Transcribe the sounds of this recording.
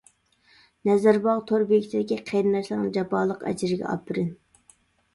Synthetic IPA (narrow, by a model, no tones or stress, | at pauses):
nɛzæɾbɑʁt̪ʰoɾbekʲt̪ʰɪd̪ɪkʲiqʰejɾnɑʃlˠəʁɨnd͡ʒɑpɑːlˠəqɛ̰t͡ʃʰɪɾɪɡʲɛ̰ɑ̰pʰːɪɾɪn